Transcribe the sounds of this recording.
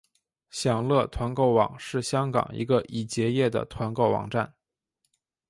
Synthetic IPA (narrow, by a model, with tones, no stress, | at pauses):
ɕjɑ˨˩ŋlɤ˥˩t̪ʰwa˧˥nko˥˩ʊwɑ̰˨˩ŋʂɻ̩˥˩ɕjɑ˥ŋkɑ̰˨˩ŋḭ˧˥ɡə˧ʔi˨˩t͡ɕjɛ˧˥jɛ˥˩d̪ə̰˩t̪ʰwa˧˥nko˥˩ʊwɑ̰˨˩ŋʈ͡ʂa˥˩n